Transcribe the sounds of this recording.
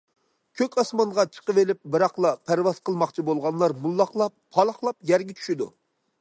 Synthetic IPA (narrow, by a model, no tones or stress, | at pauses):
kʲʰøkʲɑsmɑɴʁɑt͡ʃʰə̥qəvelɪp̚bɨɾɑχlˠɑpʰæɾwɑz̥qʰəlˠmɑqt͡ʃʰibolˠʁɑnlˠɑɾmulˠːɑχlˠɑpʰːɑlˠɑχlˠɑpjɛɾɡʲɛt͡ʃʰy̥ʃid̪ṵ